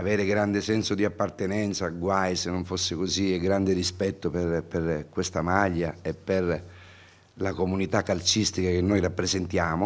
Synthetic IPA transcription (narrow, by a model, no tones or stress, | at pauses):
avɛːɾeɡɾand̪esɛnsod̪iapːart̪enɛnt̪saɡwajsenːoɱfosːɪkozieɡɾand̪ɪɾispɛt̪ːoperperkwest̪amaʎːaepːer | lakomunit̪akːalt͡ʃist̪ikak̟enːojrapːɾezent̪jaːmo